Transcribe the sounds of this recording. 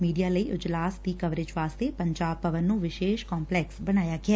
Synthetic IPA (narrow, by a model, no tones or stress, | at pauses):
miːɖijaːləiːʔʊd͡ʒlaːsd̪iːkəʋɾɪd͡ʒʋaːst̪eːpəɲd͡ʒaːb̚pəʋənːũːʋɪʃeːʃkɔːmplɛːksbəñaːjaːɡɪaː